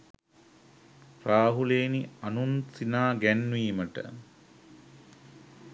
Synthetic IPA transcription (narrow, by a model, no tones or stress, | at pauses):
pɾaːɦuleːnianunsinaːɡænːʋiːməʈə̰